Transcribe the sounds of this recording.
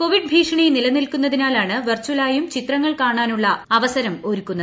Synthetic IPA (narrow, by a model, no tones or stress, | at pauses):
koʋiɖ̚bʱiːʂɐɳinilɐnːilkunːɐðinaːlaːɳɨʋɐrt͡ɕulaːjumt͡ɕit̪rɐŋːɐɭkaːɳaːnuɭːɐɐʋɐsɐɾɐmo̞ɾukːunːɐðɨ